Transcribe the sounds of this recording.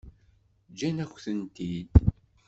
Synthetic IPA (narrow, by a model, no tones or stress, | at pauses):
d͡ʒænækʷːθənt̪id̪